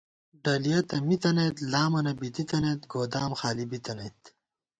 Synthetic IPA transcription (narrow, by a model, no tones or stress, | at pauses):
ɖɐlijɐt̪ɐmit̪ɐneːt̪laːmɐnɐbit̪it̪ɐnet̪ɡoːd̪aːmxaːlibit̪ɐnejt̪